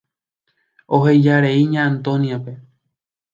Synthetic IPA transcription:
o̞ɦejd͡ʒaɾeiɲãːnt̪õ̞nijape̞

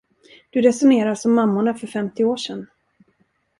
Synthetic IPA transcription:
d̪̥ɵɾɛsʊneːɾasɔmːamːʊɳafœɾfɛmt̪ɪoːʂɛn

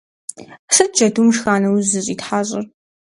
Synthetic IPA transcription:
ʂɨt̚d͡ʒɐdumʂxaːnɐwzɨɕʼiːtħaːɕʼɪr

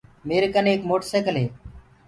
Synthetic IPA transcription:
meːɾekəneːkmoːʈseːkəlɦeː

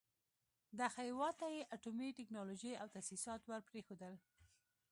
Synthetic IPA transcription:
d̪axajwɑt̪ajeʔaʈomiʈɪknɑloʒəjawt̪asisɑt̪wəɾpɾexod̪əl

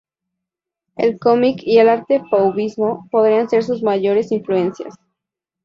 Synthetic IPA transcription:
ḛlko̞mikielaɾt̪e̞fawβizmo̞po̞ðɾianse̞ɾs̬uzmaʝo̞ɾe̞siɱflue̞nsja̰s

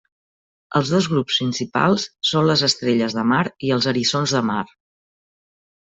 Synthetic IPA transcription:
ə̰lˠzðozɣɾupsinsipa̰lˠsːonləzəst̪ɾeʎəzðəmaɾiəlˠzəɾizonzðəmaɾ

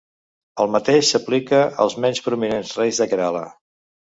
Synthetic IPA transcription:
əlˠmət̪eʃsəplikəə̰lˠzmɛnspɾuminenzrɛjzðəkɾalə̰

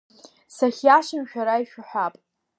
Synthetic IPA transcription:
saχʲjaʃɨmʃᶣaɾaiʃᶣʊħʷᶣapʼ

